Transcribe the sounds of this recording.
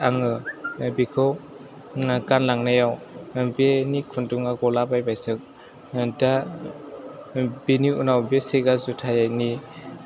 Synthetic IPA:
aŋɯbikʰɯw | ɡanlaŋnajawbenikʰunduŋaɡɔlabajbajsɯk̚ | da | beniunawbeseɡazutʰajani

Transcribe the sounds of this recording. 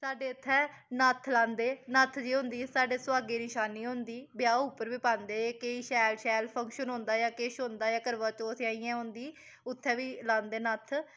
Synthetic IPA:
saːɖeːʊt̪ʰːɛː | nət̪ʰlãːnd̪eːnət̪ʰd͡ʒiːɦʊ̃nd̪iːsaːɖeːswaːɡeːnɪʃaːniːɦõnd̪iːbɪjaːupːəɾʋiːpãːnd̪eːkeːiːʃɛːlʃɛːlpʰəŋkʃənɦõːnd̪aːjaːkeːʃɦõːnd̪aːjaːkəɾʋaːt͡ʃoːsʰaːiːãːɦʊ̃nd̪iː | ʊt̪ʰːɛ̃ːʋiːlãːnd̪eːnət̪ʰ

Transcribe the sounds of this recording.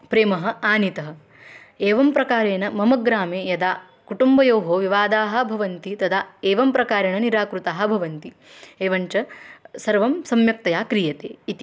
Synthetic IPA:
pɾeːmɐɦɐ̆aːnit̪ɐɦɐ̆ | eːʋɐmpɾɐkaːɾeːnɐmɐmɐɡɾaːmeːjɐd̪aː | kuʈumbɐjoːɦoːʋiʋaːd̪aːɦɐ̆bʱɐʋɐnt̪it̪ɐd̪ʰaːeːʋɐmpɾɐkaːɾeɳɐniɾaːkɾut̪aːɦɐ̆bʱɐʋɐnt̪i | eːʋɐɲt͡ʃɐsɐɾʋɐmsɐmjɐk̚t̪ɐjaːkɾijɐt̪eːit̪i̥

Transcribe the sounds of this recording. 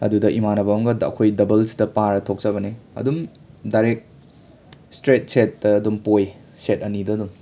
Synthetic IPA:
ɐ̰dudɐʔimanɐbawŋɡɐdɐɐ̰kʰojdɐbɐlsi̥dɐpaɾɐtʰok̚zɐbɐneɐ̰dum | daɾek̚ | stɾet̚set̚dɐːdumpoj | setɐnidɐdum

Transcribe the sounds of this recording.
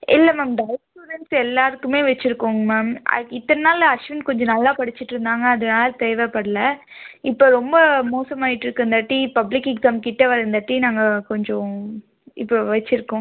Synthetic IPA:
ʔɪlːɐmaːmɖɐɪsʈuːɾɛnsɛlːaːɾɯkːɯmeːʋɛt͡ʃːɪɾɯkːoːŋɡɐmaːmɐ̰ɪt̪ːɐnnaːlɐʂʋɪnkɔɲd͡ʒɔ̃nɐlːaːpɐɽɪt͡ʃːɪʈːɪɾɯnd̪aːŋɡɐːðɐnaːlɐt̪eːʋepɐɽɐlɐɪpːoːɾɔmbɐmoːsɐmaːɪʈːɪɾɯkːɯɯnd̪ɐʈːipɐblɪkɪɡzaːmkɪʈːɐʋɐɾɯnd̪ɐʈːinaːŋɡɐkɔɲd͡ʒõ | ɪpːoʋɛt͡ʃːɪɾɯkːõː

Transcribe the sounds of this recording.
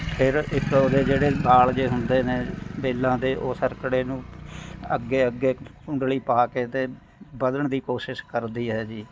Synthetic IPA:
pʰɪɾɪkoːd̪eːd͡ʒeːɽeːbaːld͡ʒeːɦʊnd̪eːneːbeːlːãːd̪eːʔoːsəɾkɽeːnũːə̰ɡːeːəɡeːkʊ̃ɳɖliːpaːkeːt̪eː | bəd̪əɳd̪iːkoːʃɪʃkəɾd̪iːɦɛːd͡ʒiː

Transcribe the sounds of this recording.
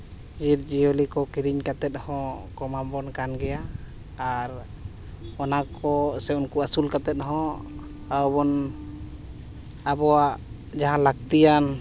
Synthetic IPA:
d͡ʒiɾd͡ʒiɔlikɔkiɾiɲkat̪ɛt̪̚hɔ̃kɔmambɔnkanɡɛjaː | ɾ | ɔnakɔsɛunkuasulkat̪ɛt̪̚ɦɔ̃ | abɔn | abɔaʔ | d͡ʒaɦãlak̚t̪ijan

